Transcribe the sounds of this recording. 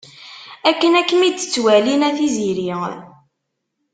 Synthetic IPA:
ækːənækːəmid̪t͡sːwælinæθiziɾi

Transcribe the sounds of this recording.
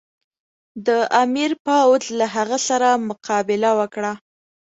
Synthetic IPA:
d̪əʔamiɾpawd̪laɦaɣəsaɾamʊqɑbɪlawəkɽa

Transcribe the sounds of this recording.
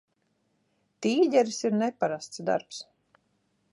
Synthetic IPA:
t̪iːɟɛɾisiɾnɛpaɾast̪sd̪a̰ɾps

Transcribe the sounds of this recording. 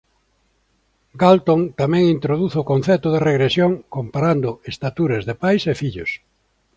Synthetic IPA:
ɡalt̪oŋt̪amɛ̃ŋint̪ɾoðuθokõn̟θɛt̪ʊðereɣɾesjoŋkompaɾand̪ʊest̪at̪uɾɐzðepajsefiʎʊs

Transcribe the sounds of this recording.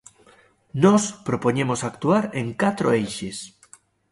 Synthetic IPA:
nɔspɾopoɲemosak̚t̪uaɾẽŋkat̪ɾoejʃes

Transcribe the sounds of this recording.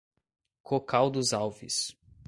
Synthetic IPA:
kʰokawd̪ʊzawvḭs

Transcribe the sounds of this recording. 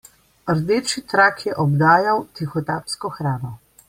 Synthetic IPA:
əɾd̪eːt͡ʃit̪ɾakʰjɛʔɔbd̪aːjawt̪ixɔt̪aːpskɔxɾaːnɔ

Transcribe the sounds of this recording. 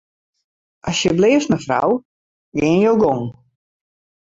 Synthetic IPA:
ʔasjəblɪːəftməfra̰w | ɡɪːnjowɡoŋ

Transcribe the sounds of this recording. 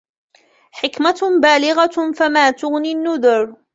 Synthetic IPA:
ħɪkmabaːlɪɣafamaːt̪ʊɣninːʊðʊɾ

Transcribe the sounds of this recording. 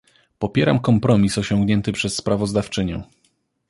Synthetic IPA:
pɔpʲjɛɾa̰mkɔmpɾɔmʲisɔɕɔ̃ŋɡɲɛnt̪ɘpʂɛsːpɾavɔzd̪aft͡ʂɘɲɛ̰̃

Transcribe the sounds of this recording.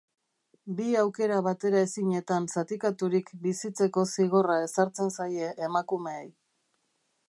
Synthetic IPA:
biawke̞ɾaβat̪e̞ɾae̞siɲe̞t̪ansat̪ikat̪uɾikbisit͡se̞ko̞siɣo̞rae̞saɾt͡se̞nsaje̞ʔːmakume̞ej

